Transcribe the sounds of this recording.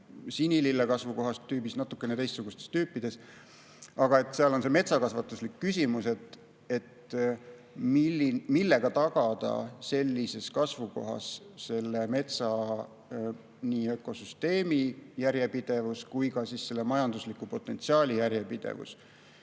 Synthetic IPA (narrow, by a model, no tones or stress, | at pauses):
sinʲililːekɑsvuko̞ɦɑst̪ːyːbisnɑt̪ːˑukːˑenet̪e̞jst̪suɡust̪est̪yːpːˑid̪̥e̞s | ɑɡ̥ɑe̞t̪ːˑseɑlo̞nse̞me̞t̪sɑkɑsvɑt̪ːˑuslikːysʲimuse̞t̪ˑ | e̞t̪ | mimilːe̞ɡ̥ɑt̪ɑɡ̥ɑd̪̥ɑ̰se̞lʲːise̞skɑsvuko̞ɦɑ̰sse̞lːe̞me̞t̪sɑ | niːø̞kːo̞syst̪e̞ːmijæɾje̞pid̪̥e̞vuskujkɑsiːsse̞lːe̞mɑjɑnd̪̥uslikːˑupo̞t̪ːˑe̞nt̪siɑːlʲijæɾjepid̪̥ḛvṵs